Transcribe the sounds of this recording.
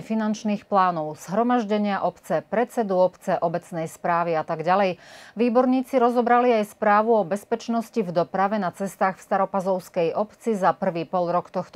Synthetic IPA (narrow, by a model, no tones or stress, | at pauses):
ɛfinant͡ʃniːxplaːnɔʊz̥ɦɾɔmaʒɟɛɲɪaʔɔpt͡sɛpɾɛt͡sɛd̪uɔpt͡sɛʔɔbɛt͡snɛjspɾaːʋiat̪aɡɟalɛjʋiːbɔɾɲiːt͡siɾɔzɔbɾaliajspɾaːʋuɔbɛspɛt͡ʃnɔscivd̪ɔpɾaʋɛnat͡sɛst̪aːxfst̪aɾɔpazɔʊskɛjʔɔpt͡sizapr̩ʋiːpɔlɾɔkt̪ɔxt̪